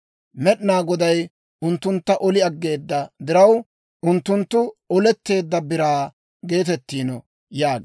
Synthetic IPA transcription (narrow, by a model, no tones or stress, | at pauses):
mɛɗnaːɡɔd̪ɐj | ʊnt̪ːʊnt̪ːɐʔɔlɪɐɡːe̞ːd̪ːɐd̪ɪɾɐw | ʔʊnt̪ːʊnt̪ːʊɔlɛt̪ːe̞ːd̪ːɐbɪɾaː | ɡe̞ːt̪ɛt̪ːiːnɔ | jaːɡe